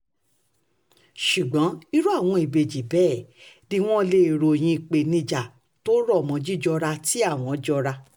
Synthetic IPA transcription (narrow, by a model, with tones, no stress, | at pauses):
ʃu˨ɡ͡bɔ̃˨˦i˦ɾu˦a˦˨w̃ɔ̃˧i˨be˨d͡ʒi˨˦bɛː˦˨di˧w̃ɔ̃˦le˧˨ɾo˨j̃ĩ˧i˨k͡pe˨nĩ˧d͡ʒa˨ | to˦ɾɔ˦˨mɔ̃˨˧d͡ʒi˦d͡ʒɔ˧ɾa˧ti˦a˦˨w̃ɔ̃˨˦d͡ʒɔ˧ɾa˧